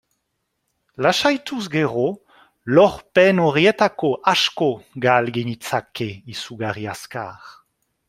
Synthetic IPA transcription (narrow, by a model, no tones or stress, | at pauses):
laʃajt̪usɡɛʁo | lɔʁpɛnɔʁjɛt̪akoʔaʃkoɡalɡeɲit͡sakeisuɡaʁjaska̰ːʁ